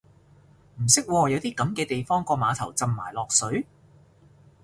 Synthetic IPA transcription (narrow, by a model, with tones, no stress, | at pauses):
m̩˨˩sɪ˥k̚wɔː˧jɐ˨˧wt̪iː˥kɐ˨˥mkɛː˧t̪e˨jfɔː˥ŋkɔː˧maː˨˧t̪ʰɐ˨˩wt͡sɐ˨mːa̰ː˨˩jlɔː˨k̚sɵ˨˥ɥ